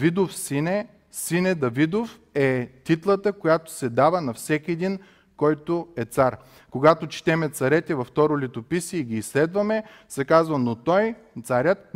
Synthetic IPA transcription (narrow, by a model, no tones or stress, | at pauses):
vid̪ofsinɛ | sinɛd̪ɐvid̪of | ɛt̪it̪lˠət̪əkojat̪o̥sɛd̪avənɐfsɛkʲiɛd̪in | kɔjt̪oɛt̪saɾ | koɡat̪ot͡ʃt̪ɛmɛt̪sɐɾɛt̪ɛvɐft̪ɔɾʊlit̪opisiɛiɡʲiːslɛd̪vɐmɛ | sɐkazvɐnot̪ɔj | t̪saɾʲət̪̚